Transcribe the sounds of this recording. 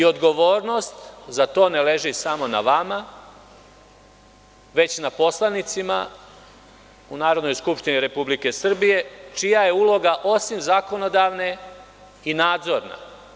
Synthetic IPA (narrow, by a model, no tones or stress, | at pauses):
io̞d̪ɡo̞ʋo̞ːɾno̞st̪zat̪o̞ːnele̞ʒisamo̞na̰ʋama | ʋe̞t͡ɕnapo̞slˠanit̪sima̰ | unaːɾo̞d̪no̞jskupʃt̪iniɾe̞publike̞sr̩bije̞t͡ʃijaje̞ulo̞ɡaʔo̞simzako̞no̞d̪aʋne̞ | inaːd̪zo̞ɾna̰